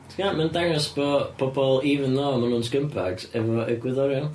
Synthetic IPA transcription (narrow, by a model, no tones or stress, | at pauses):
tʰəɡaːnmandaŋəsb̥ɔpʰɔbɔlˠiːvənðɔːmanuːnsɡəmpʰadɛvɔɛɡwɪðɔɾan